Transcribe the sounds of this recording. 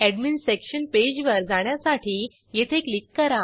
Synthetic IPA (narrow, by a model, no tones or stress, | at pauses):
ɛɖminsɾekɕənped͡ʑʋəɾd͡zaɳ̃jasaʈʰiː | jet̪ʰeklikːəɾa